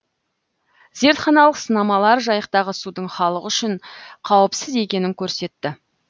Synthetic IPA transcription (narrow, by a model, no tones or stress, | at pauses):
ze̞ɾt̪χɑnɑlˠəqsənɑmɑlˠɑɾʒɑjəq̚t̪ɑʁəsud̪əɴχɑlˠəqʏʃɪɴqʰɑwəpsɪze̞kʲe̞nɪŋkʲʰɵɾse̞t̪ːɪ